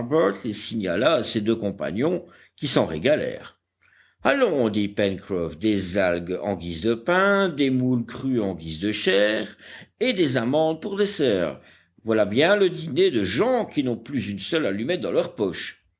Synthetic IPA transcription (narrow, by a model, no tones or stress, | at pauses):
ʁbœʁt̪lesiɲa̰lased̪økɔ̃pa̰ɲjɔ̃ | kʲisɑ̃ʁḛɡalɛ̰ːʁ | alɔ̃d̪ipɛnkχɔfd̪ezalɡɑ̰̃ɡʲizd̪əpɛ̃d̪emulkχyɑ̃ɡʲizd̪əʃɛːʁed̪ezamɑ̃d̪̚puʁd̪esɛːʁ | vwalabjɛ̃ləd̪ined̪əʒɑ̃kʲinɔ̃plyzynsœlalymɛt̪̚d̪ɑ̃lœʁpɔʃ